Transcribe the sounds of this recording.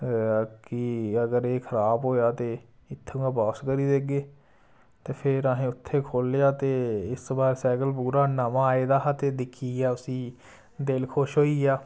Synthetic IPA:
kɪəɡəɾeːkʰəɾaːbɦoːjaːt̪eː | ɪt̪ʰːeːũãːpaːskəɾiːd̪eɡeː | t̪eːpʰɪɾaːɦẽːʊt̪ʰːeːkʰoːlejaːt̪eːɪsbaːɾsɛːkəlpuːɾaːnəmãːaːeːd̪aːɦat̪eːd̪ɪkʰːiːaːʊsĩː | d̪elkʰoʃɦoːiːaː

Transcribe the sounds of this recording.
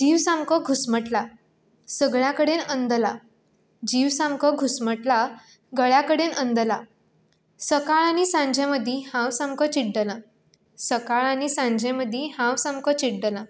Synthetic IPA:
d͡ʑiʋsamkəɡʱusməʈla | səɡɭjakəɽenənd̪əla | d͡ʑiʋsãmkəɡʱusməʈla | ɡəɭjakəɽenənd̪əla | səkaɭañisãɲd͡ʑʱẽməd̪ʱːihãwsãmkət͡ɕiɽɖəlã | səkaɭañisãɲd͡ʑʱẽməd̪ʱːihãwsãmkət͡ɕiʈɖəlã

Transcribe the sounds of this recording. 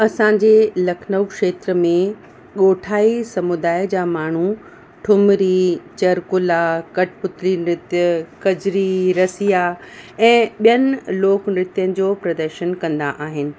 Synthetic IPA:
ɐsãɲd͡ʑelɐkʰnəwkʃeːt̪ɾəmẽ | ɠoːʈʰaːisɐmʊd̪aːjd͡ʑaːmaːɳ̤u | ʈʰʊmɾit͡ɕɐɾkʊlakɐʈpʊt̪ɾinɾɪt̪jəkɐd͡ʑɾiɾɐsijaɛ̃ːɓijənɪ̆loːknɾɪt̪jənɪ̆d͡ʑoːpɾɐd̪əɾʃənkɐ̃nd̪a̰ʔaːɦɪnɪ̆

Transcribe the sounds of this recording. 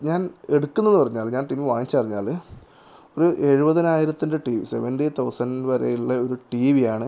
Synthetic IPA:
ɲaːne̞ɽukːunːenːɨpɐrɐɲːaːlɲaːnʈimiʋaːjit͡ɕːɨpɐriɲːa̰ːl | oɾuʔe̞ɻubɐðinaːjiɾɐt̪ːundeʈiːʋḭseʋɐnɖit̪ɐwsɐnʋɐɾḛjiɭːɐo̞ɾuʈiːʋijaːɳɨ

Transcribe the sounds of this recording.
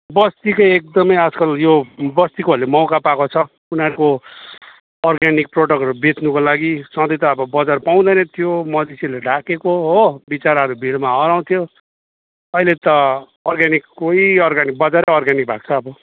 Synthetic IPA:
bʌst̪ikʌjek̚d̪ʌmʌjʌd͡zkʌljobʌst̪ikolemʌwkapakot͡sʰʌ | unʌɾuko | ʌrɡanik̚proɽʌkʌɾubet̪nukolaɡisʌ̃d̪ʌjt̪ʌːbʌbʌd͡zarpaw̃d̪ʌjnʌt̪ʰijomʌd͡z̪esileɖʱakekoɦobit͡saɾʌɾubʱiɽmaɦʌɾaw̃t̪ʰijo | ʌɦilet̪ʌː | rɡanikːoiʌrɡanik̚bʌd͡zaɾeʌrɡanik̚bʱak̚t͡sʰʌːbʌ

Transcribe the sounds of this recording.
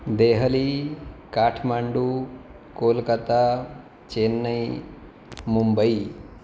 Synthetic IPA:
d̪eɦəlikaʈʰmaɳɖu | kolkət̪a | t͡ʃenːəj | mumbəj

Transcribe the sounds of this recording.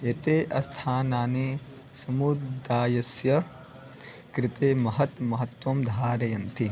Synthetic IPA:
et̪eːʔɐst̪ʰaːnaːni | sɐmud̪aːjɐsjɐ | kɾɪt̪eːmɐɦɐt̪mɐɦɐt̪ʋɐmd̪ʱaːɾɐjɐnt̪ʰi

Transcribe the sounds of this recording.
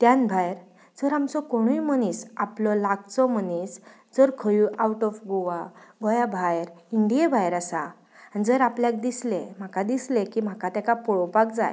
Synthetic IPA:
t̪janbʱajɾ | d͡zəɾamsɔkoɽ̃ujməniːsaplɔlaɡt͡sɔmənis | d͡zəɾkʰəjuawʈɔfɡoʋaɡɔjabʱajɾiɳɖijebʱajɾasa | anid͡zəɾapljak̚d̪islem̤akad̪islẽkim̤akat̪akapɔɭɔpak̚d͡za̰j

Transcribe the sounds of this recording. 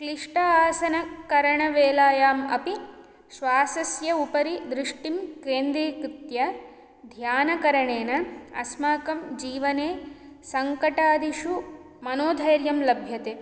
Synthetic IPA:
kliʂʈɐaːsɐnɐkɐɾɐɳɐʋeːlaːjaːmɐ̰pi | ʃʋaːsɐsjɐupɐɾid̪ɾɪʂʈimkeːnd̪ɾiːkɾit̪jɐ | d̪ʱjaːnɐkɐɾɐɳeːnɐɐ̰smaːkɐmd͡ʒiːʋɐneːsɐŋkɐʈaːd̪iʃu | mɐnoːd̪ʱɐjɐɾjɐmlɐbʱjɐt̪eː

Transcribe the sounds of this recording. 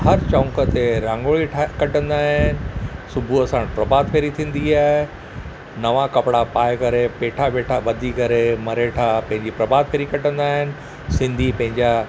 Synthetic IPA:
hɐɾt͡ɕɐ̃ːkət̪eɾãːŋɡoːɭiʈʰkɐʈə̃nd̪aːɦɪnɪ̆sʊbʱuɐsãɽ̃pɾɐbaːd̪̚pʰeːɾit̪ʰĩːn̆d̪iaːɦe | nɐʋakɐpɪɽapaːɪkɐɾepeːʈʰaɓeːʈʰaɓɐd̪ʱikɐɾemɐɾeʈʰapɐ̃ɦɪ̃ɲd͡ʑipɾɐbaːd̪̚pʰeːɾikɐʈə̃nd̪aːɦɪnɪ̆ | sɪ̃nd̪ʱipɐ̃ɦɪ̃ɲd͡ʑa

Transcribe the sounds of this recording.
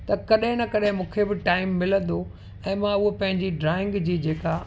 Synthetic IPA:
t̪ɐkɐɗɦɪ̃nɐkɐɗɪ̃mũːkʰebɪʈaːɪmːɪlə̃nd̪o | ɛ̃ːmãʊɦopɐ̃ɦɪ̃ɲd͡ʑiɖɾaːɪ̃ŋɡd͡ʑiːd͡ʑeːka

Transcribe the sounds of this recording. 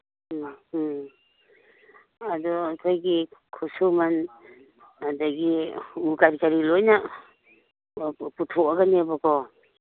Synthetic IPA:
adɔkʰɔjɡikʰusuman | adaɡiukaɾikaɾilojna | putʰɔaɡanebɔkʰɔ

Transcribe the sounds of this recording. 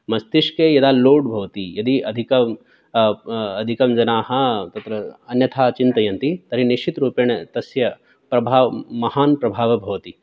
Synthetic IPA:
mɐst̪iʃkeːjɐd̪aːloːɖbʱɐʋt̪ijɐd̪iʔɐd̪ʱikɐm | d̪ʱikɐmd͡ʒɐnaːɦɐ̆t̪ɐt̪ɾɐɐnjɐt̪ʰaːt͡ʃint̪ɐjɐnt̪it̪ɐɾiniʃt͡ʃit̪ɾuːpeɳɐt̪ɐsjɐ | pɾɐbʱaːʋmɐhaːnpɾɐbʱaːʋɐbʱɐʋt̪i

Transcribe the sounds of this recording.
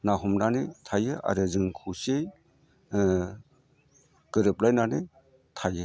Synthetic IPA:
naɦumnanɯjtʰajɯʔa̰ɾɯzɯŋkʰusej | ɡ̥ɯɾɯp̚lajnanɯj | tʰajɯ

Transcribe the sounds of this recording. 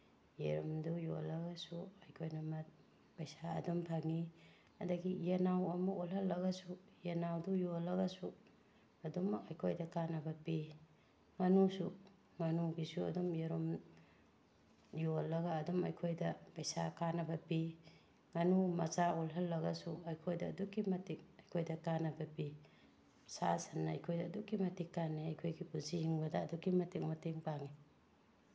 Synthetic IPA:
jeɾumdujo̰lːɐɡɐsuɐjkʰojnɐmɐt̚ | pɐjsaɐ̰dumpʰɐŋi | ɐdɐɡijenawɐmɐolɦɐlːɐɡɐsu | jenawdujolːɐɡɐsu | ɐdumkɐjkʰojdɐkanɐbɐpi | ŋɐnusu | ŋɐnuɡisuɐ̰dumjeɾum | jolːɐɡɐːdumɐjkʰojdɐpɐjsakanɐbɐpi | ŋɐnumɐt͡ʃaolɦɐlːɐɡɐsuɐjkʰojdɐːdukːimɐtik̚ɐjkʰojdɐkanɐbɐpi | sasɐnːɐɐjkʰojdɐːdukːimɐtikːanːiɐjkʰojɡipunsihiŋbɐdɐːdukːimɐtik̚mɐteŋpaŋi

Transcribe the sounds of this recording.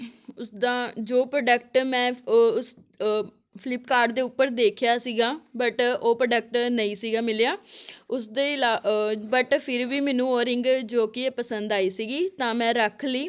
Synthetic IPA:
ʊsd̪ãːd͡ʒoːpɾəːɖəkʈmɛ̃ːʊs | pʰɪlɪpkaːɾɖd̪eːʊpːəɾd̪eːkʰjaːsiːɡaːbəʈoːpɾəɖək̚ʈnəĩːsiːɡaːmɪlejaːʊsd̪eːɪlaːbəʈpʰɪɾʋiːmɛːnũːoːɾɪ̃ŋɡd͡ʒoːkieːpəsənd̪aːiːsiːɡiːt̪ãːmɛ̃ːɾəkʰliː

